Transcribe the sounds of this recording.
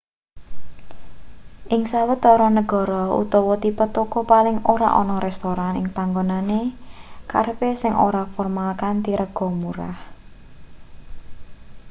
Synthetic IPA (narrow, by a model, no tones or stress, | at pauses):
ʔɪŋsawət̪ɔɾɔnəɡ̥ɔ̤ɾɔṵt̪ɔwɔt̪ipət̪okɔpalɪŋoɾa̰ʔɔ̰nɔɾɛst̪oɾanɪŋpaŋɡonaneka̰rpesɪŋʔo̰ɾafɔrmalkant̪iɾʔəɡ̥ɔ̤muɾa̰h